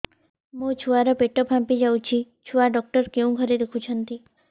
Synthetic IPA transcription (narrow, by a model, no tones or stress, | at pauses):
mũt͡ʃʰuaɾɔpeʈopʰãmpid͡ʒaũt͡ʃʰi | t͡ʃʰuaɖɔk̚ʈəɾkeũɡʱəɾid̪ekʰũt͡ʃʰənt̪i